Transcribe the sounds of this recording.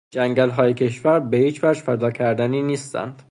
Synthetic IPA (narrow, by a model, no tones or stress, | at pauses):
d͡ʒæŋɡælɦɒːjecʲʰe̞ʃvæɾbehiːt͡ʃʰvæɾd͡ʒfæd̪ɒːcʰæɾd̪æniːniːst̪æ̰nd̪̥